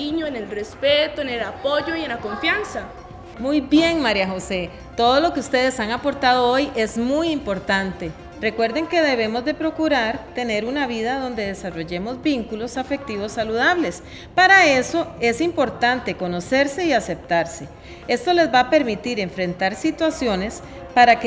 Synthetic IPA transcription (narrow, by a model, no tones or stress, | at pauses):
iɲoenelrespet̪oenelapo̞ʝo̞ienlako̞ɱfjansa | mujbje̞ŋmaɾjaxo̞se̞ | t̪o̞ðo̞lo̞keust̪e̞ðe̞saŋapo̞ɾt̪að̞o̞oje̞zmujimpo̞ɾt̪ant̪e̞ | re̞kwe̞ɾd̪e̞ŋke̞ðe̞β̞e̞mo̞zd̪e̞pɾo̞kuɾaɾt̪e̞ne̞ɾunaβiðaðo̞nd̪e̞ðe̞saro̞ʝe̞mo̞zbiŋkulo̞safe̞k̚t̪iβo̞sːaluðaβle̞s | paɾae̞so̞e̞simpo̞ɾt̪ant̪e̞ko̞no̞se̞ɾse̞iase̞p̚t̪aɾse̞ | e̞st̪o̞le̞zbape̞ɾmit̪iɾe̞ɱfɾe̞nt̪aɾsit̪wasjo̞ne̞s | paɾak